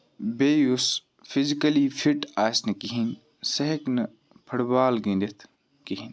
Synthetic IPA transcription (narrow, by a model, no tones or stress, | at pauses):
beːjus | fʰizikɐlifʰiʈaːsnɐkiɦin | sɐɦeknɨ | pʰɐɽbaːlɡĩnd̪ɐt̪ʰ | kiɦin